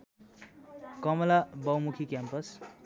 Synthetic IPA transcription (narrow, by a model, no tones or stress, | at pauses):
kʌmʌlabʌwmukʰikjampʌs